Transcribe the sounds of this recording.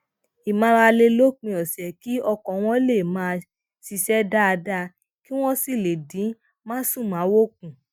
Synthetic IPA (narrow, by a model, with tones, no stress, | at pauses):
i˨mã˨˧ɾa˧le˧lo˦k͡pĩ˧ɔ˨sɛ˨ki˦ɔ˧kɔ̃˨w̃ɔ̃˦le˦˨mãː˧ | si˧sɛ˦da˦a˧da˧ | ki˦w̃ɔ̃˦si˦˨le˨dĩ˨˦ | mãː˦sũ˦˨mã˨˦wo˦k̚ũ˨